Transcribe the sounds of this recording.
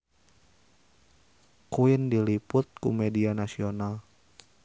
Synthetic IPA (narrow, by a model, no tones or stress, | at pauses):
kuɪndilipʊt̪̚kṵmedianasional